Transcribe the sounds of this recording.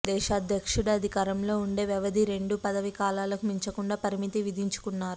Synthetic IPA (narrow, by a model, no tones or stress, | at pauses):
d̪ɛːʃaːd̪ʱjɐkʂuɽɐɐd̪ʱikaːɾɐmlo̞ːuɳɖe̞ːʋɛʋɐd̪ʱiɾe̞ɳɖupɐd̪ɐʋikaːlaːlɐkumiɲt͡ʃɐkuɳɖaːpɐɾimit̪iʋid̪ʱiɲt͡ʃu̥kunːaːɾu